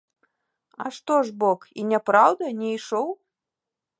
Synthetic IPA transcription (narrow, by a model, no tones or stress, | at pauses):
ɐ̰ʂt̪ɔʐbɔkḭnʲɛpɾawd̪ɐnʲɛiʂɔw